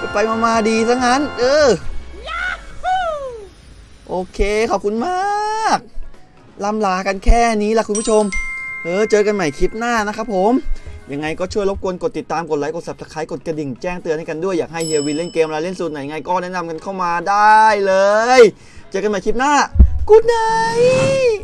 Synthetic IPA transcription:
pa˧jmaː˧maː˧diː˧sa˦˥k̚na˦˥nʔɤː˧ | ʔoː˧kʰeː˧kʰɔː˨˩p̚kʰu˧nmaː˥˩k̚ | la˧˥˩mlaː˨˩ka˧nkʰɛː˥˩niː˦˥lɛ˧˩kʰu˧npʰu˥˩t͡ɕʰo˧mʔɤː˧˩t͡ɕɤː˧ka˧nma˨˩jkʰi˦˥p̚naː˥˩na˦˥kʰa˦˥pʰːo˨˩˦mja˧ŋːa˧jkɔː˥˩t͡ɕʰu˥˩jlo˦˥p̚ku˧ənko˨˩t̪ːi˨˩t̪ːaː˧mko˨˩t̪̚la˦˥jko˨˩sa˨˩p̚sa˨˧˩kʰaː˦˥jko˨˩t̪̚kɾa˧di˨˩ŋt͡ɕɛː˥˩ŋt̪ɯ˧əna˧jka˧ndu˥˩əjːaː˨˩k̚ɦa˥˩jhi˧wi˧nle˥˩nkeː˧m˧ɾa˧le˥˩nsu˨˩t̪na˨˩ja˨ŋa˧jkɔː˥˩nɛ˦˥na˧mka˧nkʰa˥˩wmaː˧daː˥˩jlɤː˧j | t͡ɕɤː˧ka˧nma˨˩jkʰi˦˥p̚naː˥˩kuː˧˥˩t̚na˨j

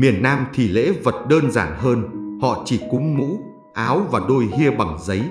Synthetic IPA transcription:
mi˨˩ənːaː˧mt̪ʰi˧˩lḛ˧˥və˨˩t̚ɗəː˧nzaː˧˩nɦəː˧nhɔ̰˧˨t͡ɕi˧˩kʊ˨˦ŋ͡mmṵ˧˥ | ʔaː˨˦wvaː˨˩ɗo˧jhi˧əɓa˨˩ŋzə˨˦j

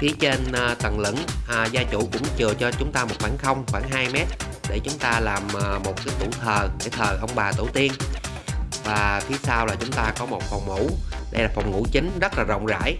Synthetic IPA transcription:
fi˨˦ət͡ɕe˧nː˧t̪ə˨˩ŋlɨ̰˧˥ŋ˨˩zaː˧t͡ɕṵ˧˩kʊ̰˧˥ŋ͡mt͡ɕɨ˨˩ət͡ɕɔ˧t͡ɕʊ˨˦ŋ͡mt̪aː˧mo˨˩t̚fwaː˧˩nxə˧wŋ͡mxwaː˧˩nɦaː˧jmɛ˦˥t̚ | ɗe˧˩t͡ɕʊ˨˦ŋ͡mt̪aː˧laː˨˩m˨˩mo˨˩t̚kaː˨˦jt̪u˧˩t̪ʰəː˨˩ɗe˧˩t̪ʰəː˨˩ʔə˧wŋ͡mɓaː˨˩t̪ɨ̰˧˩t̪i˧ən | vaː˨˩fʰi˨˦saː˧wlaː˨˩t͡ɕʊ˨˦ŋ͡mt̪aː˧kɔ˨˦mo˨˩t̚fɔ˨˩wŋ͡mŋṵ˧˥ɗə˧jlaː˨˩fɔ˨˩wŋ͡mŋṵ˧˥t͡ɕï˨˦ŋ̟zə˦˥t̚laː˨˩zə̰˧˨wŋ͡mza̰ː˧˥j

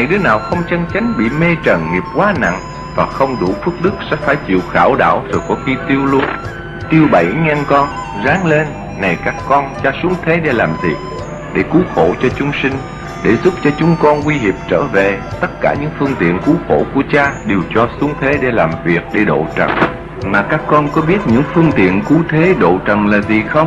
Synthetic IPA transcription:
na˨˩jɗɨ˨˦ənaː˨˩wxə˧wŋ͡mt͡ɕə˧nt͡ɕa˨˦jŋ̟ɓḭ˧˨me˧t͡ɕə˨˩nŋi˨˩əp̚kwaː˨˦na̰˧˨ŋ | vaː˨˩xə˧wŋ͡mɗu˧˩fɨ˦˥k̚ɗɨ˦˥k̚sɛ̰˧˥faː˧˩jt͡ɕḭ˧˨əwxaː˧˩wɗa̰ː˧˩˨wz̥o˨˩jkɔ˧˩˦xi˧t̪i˧əwlu˧ə | t̪i˧əwɓə˧˩jŋɛ˧nkɔ˧n | zaː˨˦ŋle˧nː | a˨˩jkaː˦˥kːɔ˧nt͡ɕaː˧su˨˦əŋt̪ʰe˨˦ɗe˧˩laː˨˩mzḭ˨˩ək̚ | ɗe˧˩ku˨˦xo̰˧˩t͡ɕɔ˧t͡ɕʊ˨˦ŋ͡msï˧ŋ̟ | ɗe˧˩zʊ˦˥p̚t͡ɕɔ˧t͡ɕʊ˨˦ŋ͡mkɔ˧nkwi˧ɦi˨˩əp̚t͡ɕə̰ː˧˩ve˨t̪ə˦˥t̚kaː˧˩ɲɨ̰˧˥ŋfɨ˧əŋt̪ḭ˧˨ənku˨˦xo̰˧˩ku˧˩ət͡ɕaː˧ɗe˨˩wt͡ɕɔ˧su˨˦əŋt̪ʰe˨˦ɗe˧˩laː˨˩mvi˨˩ək̚ɗe˧˩ɗo̰˧˨t͡ɕə̰˨˩n | maː˨˩kaː˦˥kːɔ˧nkɔ˨˦ɓi˦˥ət̚ɲɨ̰˧˥ŋfɨ˧əŋt̪ḭ˧˨ənku˨˦t̪ʰe˨˦ɗo̰˧˨t͡ɕə̰˨˩nlaː˨˩zi˨˩xə˧wŋ͡m

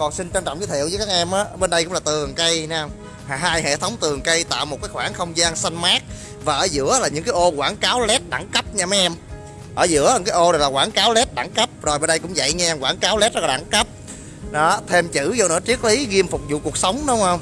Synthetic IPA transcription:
kɔ˨˩nsï˧ŋt͡ɕa˧ŋt͡ɕɔ̰˧˨wŋ͡mzɨ˨˦t̪ḭ˧˨əwzəː˦jkaː˦˥k̚ʔɛ˧mʔaː˨˦ʔɓe˧nɗə˧jkʊ̰˧˥ŋ͡mlaː˨˩t̪ɨ˨˩əŋkə˧ja˨˦ə˧wŋ͡m | haː˨˩ɦaː˧jhḛ˧˨t̪ʰə˨˦wŋ͡mt̪ɨ˨˩əŋkə˧jt̪a̰ː˧˨wmo˨˩t̚kaː˨˦jxwaː˧˩nxə˧wŋ͡mzaː˧ŋsa˧jŋmaː˦˥k̚ | vaː˨˩ʔəː˨˦zɨ̰˧˥əlaː˨˩ɲɨ̰˧˥ŋkaː˦jʔo˧ɣwaː˧˩nkaː˨˦wlɛ˦˥t̚ɗa˧˩˦ŋkə˦˥p̚ɲaː˧ma˨˧˥ʔɛ˧m | ʔəː˨˧˩zɨ̰˧˥əɨ˨˥kaː˦jʔo˧na˨˩jlaː˨˩waː˧˩˦nkaː˨˦wlɛ˦˥t̚ɗa˧˦ŋkə˦˥p̚zo˨˩jɓə˧nɗə˧jkʊ̰˧˥ŋ͡mza̰˧˨jɲa˧kwaː˧˩nkaː˨˦wlɛ˦˥t̚zɔ˦˥laː˨ɗa̰˧˩ŋkə˦˥p̚ | ɗɔ˨˦t̪ʰe˧mt͡ɕɨ̰˧˥zɔ˧nɨ̰˧˥ət͡ɕi˦˥ək̚li˨˦ɣi˧əmfʊ˨˩k͡p̚zṵ˧˨ku˨˩ək̚sə˨˦wŋ͡mɗʊ˨˦wŋ͡mhə˧wŋ͡m

